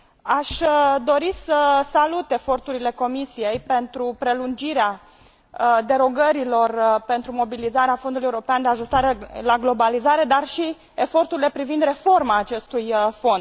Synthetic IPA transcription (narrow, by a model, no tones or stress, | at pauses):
aʃd̪o̞ɾisəsalut̪e̞fo̞rt̪uɾile̞ko̞misije̞jpe̞nt̪ɾupɾe̞lund͡ʒiɾea | d̪e̞ɾo̞ɡəɾilo̞rpe̞nt̪ɾumo̞bilizaɾeafo̞nd̪uluje̞uɾo̞peand̪e̞aʒust̪aɾelaɡlo̞balizaɾe̞d̪arʃi | efo̞rt̪uɾile̞pɾivind̪re̞fo̞rmaːt͡ʃe̞st̪ujfo̞nd̪̥̚